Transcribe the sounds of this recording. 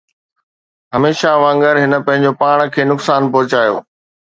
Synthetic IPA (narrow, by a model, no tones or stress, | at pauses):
ɦɐmeːʃaʋãːŋɡəɾɦɪnə̆pɐ̃ɦɪ̃ɲ̆d͡ʑopaːɽ̃kʰeːnʊksaːnpɐɦʊt͡ɕaːjo̰ː